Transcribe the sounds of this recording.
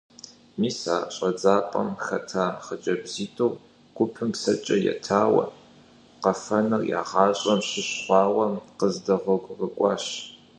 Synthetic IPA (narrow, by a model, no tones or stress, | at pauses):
miːsaːɕʼɐd͡zaːpʼɐmxɐtʰaːχəd͡ʒʼɐbziːtʰʼow | ɡ̥ʷʊpʰɨmksɐt͡ʃʼɐjɛ̰tʰaːwɐ̰ | qɐfɐnɐrja̰ːʁɑːɕʼɐmɕɪɕχʷɑːwɐmqəzdɐʁʷɔɡʷʼʁəkʷʼɑːɕ